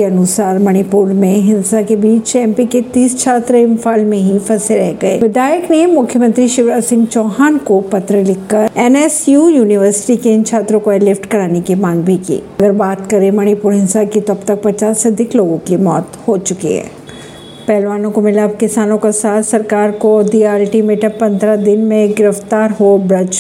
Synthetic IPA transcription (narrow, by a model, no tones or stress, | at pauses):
eɐnʊsaːɾmɐñipuːɾmẽɦɪ̃nsakebiːt͡ʃɛ̃mpiket̪iːst͡ʃʰaːt̪ɾɪ̃mfaːlmẽɦifɐseɾɛɦɡɐḛːʋɪd̪aːjəknemʊkʰjəmɐ̃nt̪ɾiʃɪʋɾaːsɪ̃ŋɡt͡ʃɔːɦaːnkopɐt̪ɾəlɪkːɐɾɛːnɛːsjuːjuːnɪʋəɾsɪ̥ʈikeɪnt͡ʃʰaːt̪ɾõkoɛːlɪfʈkɐɾaːnekimãːŋɡbʱikḭːɐɡəɾbaːt̪kɐɾẽmɐɽ̃ipʊɾɦɪ̃nsakit̪oɐbt̪ɐk̚pɐt͡ʃaːsɐɐd̪ʱɪkloːɡõkimɔːt̪hot͡ʃʊkḭɦɛ̰̃ː | pɛːlʋaːnõkomɪlabkɪsaːnõkasaːt̪sɐɾkaːɾkod̪iaːlʈimeʈəpɐ̃nd̪ʱɾad̪ɪnmẽɡɪɾəft̪aːɾɦobɾɐd͡ʒ